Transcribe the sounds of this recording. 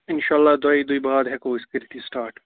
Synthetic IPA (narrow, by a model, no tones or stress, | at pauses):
ɪnʃaːlːaːd̪aːid̪oibaːd̪ɦɛkoːɪskɪɾt̪ʰisʈaːɾʈ